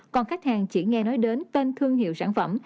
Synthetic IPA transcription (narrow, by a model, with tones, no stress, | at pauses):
kɔ˨˩nxa˦˥jk̚haː˨˩ŋt͡ɕḭ˧˩ŋɛ˧nɔ˨˦jɗe˨˦nt̪e˧nt̪ʰɨ˧əŋhḭ˧˨wsaː˧˩nfə̰˧˩m